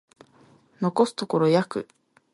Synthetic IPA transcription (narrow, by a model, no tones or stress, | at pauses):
no̞ko̞sɨ̥t̪o̞ko̞ɾo̞jakɯ̟̰